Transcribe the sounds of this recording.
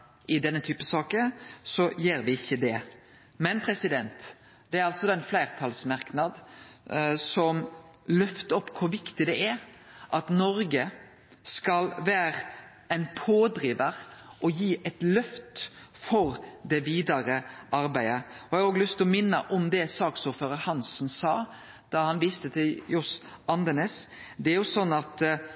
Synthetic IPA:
ʔɪd̪ɛnːət̪ʰyːpəsɑːkəsɔjeːɾʋɪɪçːəd̪ɛ | mɛnpʰɾɛsɪd̪ɛnt̪ | d̪̥ɛæɾɑlsɔd̪ɑɛɪnflæɪɾt̪ʰɑlsmɑɾknɑd̪ | sɔm | lœft̪əɔpːkʰʊɾʋɪkt̪ɪd̪ɛʔæɾ | ʔɑt̪nɔɾɡə | skɑlʋæːɾə | æɪnpʰoːd̪ɾiːʋəɾʔɔjiːʔɛt̪lœft̪ | fɔɾd̪ɛʋiːd̪ɑɾəʔɑɾbæɪəɔhɑɡoːɡlʉst̪ɔmɪnːəʔɔmd̪ɛsɑːksuːɾføːɾəɾhɑnsnsɑː | d̪̥ɑhɑnʋiːst̪ət̪ʰɪljɔs | ɑnd̪ənɛsd̪ɛæɾjʊsɔnːɑt̪

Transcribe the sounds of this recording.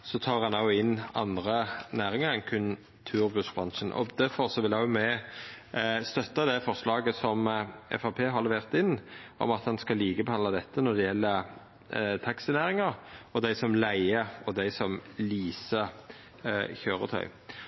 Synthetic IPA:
sɔt̪ʰɑːɾhɑnɑɪnːɑnd̪ʁənæːɾɪŋəɾɛnkʰʉn | t̪ʰʉːɾbʉsbʁɑnʃənʔɔ̰d̪æɾfɔɾsɔʋɪlæjʊmɛ | st̪œt̪ːɑd̪ɛfɔɾslɑːɡəsɔmɛ̰fɑpʰeːɦɑɾləʋeːʁt̪ɪnːʔɔ̰mɑt̪hɑnskɑliːkəbɛhɑnd̪ɑd̪ɛt̪ːənɔd̪ɛjɛlːə | t̪ʰɑksɪnæːɾɪŋɑɾɔd̪æɪsɔmlæɪəɔd̪æɪsɔmliːsə | çøːɾə̰t̪ʰœ̰ʏ

